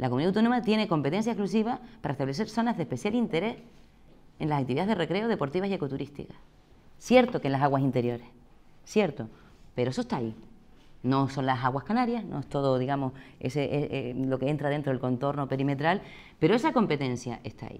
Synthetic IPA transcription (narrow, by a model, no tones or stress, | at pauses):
lʔakomuniawt̪o̞nomat̪je̞ne̞ko̞mpe̞t̪e̞nsjaeklus̬iβ̞apaɾaest̪aβle̞s̬e̞ɾso̞nazðehpe̞sjalint̪e̞ɾe̞s | ẽ̞nlasak̚t̪iβiaeðere̞kɾe̞oð̞e̞po̞ɾt̪iβasie̞ko̞t̪uɾist̪ḭka | sje̞ɾt̪okenlasaɣwasint̪e̞ɾjo̞ɾeh | sje̞ɾt̪o | peɾoesoht̪ai | no̞so̞nlasaɣwahkanaɾjahnoeht̪o̞ðoðiɣamo̞sḛseʔelo̞keent̪ɾaðe̞nt̪ɾoelko̞nt̪o̞ɾno̞pe̞ɾime̞t̪ɾal | pe̞ɾoe̞sako̞mpe̞t̪ẽ̞nsja̰ʔe̞ht̪a̰ḭ